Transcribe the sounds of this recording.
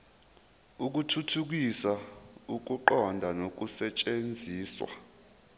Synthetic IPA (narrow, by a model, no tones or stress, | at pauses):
uk̬utʰutʰuk̬isauk̬uǃɔndʱanok̬usɛt͡ʃʼend͡zʱiːswa̰